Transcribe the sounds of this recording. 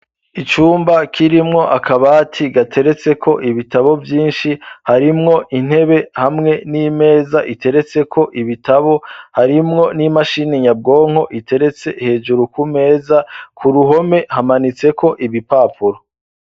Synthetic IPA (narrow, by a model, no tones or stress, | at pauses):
it͡ʃuːmbakʰiɾimŋo̞ʔakʰaβaːtʰiɡatʰe̞ɾe̞t͡se̞kʰo̞ʔiβitaβo̞vjiːnʃihaɾimŋo̞ʔin̥he̞βe̞hamŋe̞nime̞ːzaʔitʰe̞ɾe̞t͡se̞kʰo̞ʔiβitaβo̞haɾimŋo̞nimaʃineɲab̚ɡo̞ːŋ̥ho̞ʔitʰe̞ɾe̞t͡se̞ihe̞ːd͡ʒuɾukume̞ːzakʰuɾuɦo̞me̞hamanit͡se̞ko̞ʔiβipaːpʰuɾo